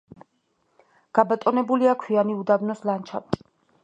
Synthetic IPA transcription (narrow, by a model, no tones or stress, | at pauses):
ɡ̥abat̪ʼɔnɛbuliakʰwianiud̪abnɔslant͡ʃʰa̰pʼ